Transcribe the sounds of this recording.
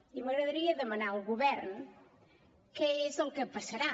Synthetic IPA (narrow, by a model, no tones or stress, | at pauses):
imɐɣɾɐðɐɾiɐðemɐnaɾuɣuβɛɾnʊ | keesõŋkɨpɐsɐɾa